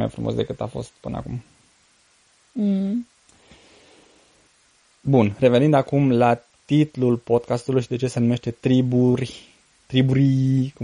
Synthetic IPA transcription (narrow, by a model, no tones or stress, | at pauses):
ma̰jfɾumosd̪ekɨt̪a̰fo̞̰st̪̚pɨnə̰a̰kṵm | bunre̞ve̞nind̪akumla | t̪it̪lulpo̞d̪̚kast̪ulujʃid̪e̞t͡ʃe̞se̞nume̞ʃt̪e̞t̪ɾiburʲ | t̪ɾibuɾiku